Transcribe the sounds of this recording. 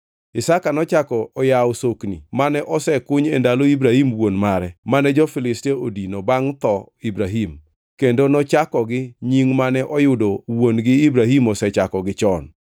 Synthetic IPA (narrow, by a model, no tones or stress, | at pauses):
ɪsakanɔt͡ʃakɔɔjawʊsoknḭmanɛʔɔsɛkʊɲɛndaloibɾahimwonmaɾɛmanɛd͡ʒɔfɪlɪsteodinobaŋt̪ɔ | ibɾaɦim | kendonɔt͡ʃakɔɡɪɲiŋmanɛʔɔjʊdowonɡɪibɾaɦimɔsɛt͡ʃakɔɡɪt͡ʃɔn